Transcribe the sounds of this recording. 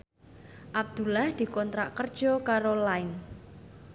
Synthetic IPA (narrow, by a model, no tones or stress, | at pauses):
ʔab̚d̪̥ṳlahd̪̥i̤kɔnt̪ɾaʔkərd̥ʒ̥ɔkaɾolaɪn